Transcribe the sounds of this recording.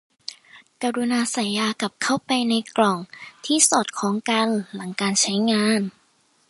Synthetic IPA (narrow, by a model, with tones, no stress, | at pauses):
kaː˧ɾu˧naː˧sa˨˩˦njːaː˧ka˨˩p̚kʰa˥˩wpa˧jna˧jklɔ˨˩ŋt̪ʰiː˥˩so˨˩t̪̚kʰɔː˩˦ŋka˧nla˩˦ŋkaː˧nt͡ɕʰa˦˥jŋaː˧˥n